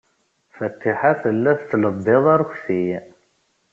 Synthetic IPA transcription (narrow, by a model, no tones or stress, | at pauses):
fət̪ːiħaθəlːæθt͡sːləb̪ːeðˤɑɾçθij